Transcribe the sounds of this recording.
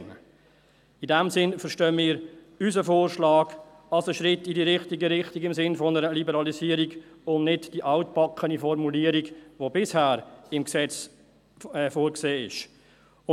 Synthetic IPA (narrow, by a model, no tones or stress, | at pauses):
n | idɛmsɪnfəɾʃtœːmɪːəɾ | ysəfoːɾʃlɑːɡ̥ | ɑlsəʃɾɪtːidiɾɪχtiɡəɾɪχtiɡɪmsɪnfɔnəɾəlibəɾɑlisiːəɾiɡʊndnɪdd̥iʔɑʊtpɑkʰχənifɔɾmuliəɾiɡʋobɪshæːɾɪmksɛt͡s | ɛfoːɾkseːɪ̰ʃ | ʊ